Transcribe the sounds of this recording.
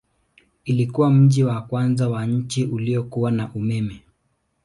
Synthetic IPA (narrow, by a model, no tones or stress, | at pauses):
ilikuwam̩ʄiwakwanzawaɲ̩t͡ʃiʔuliɔkuwanaʔumɛmɛ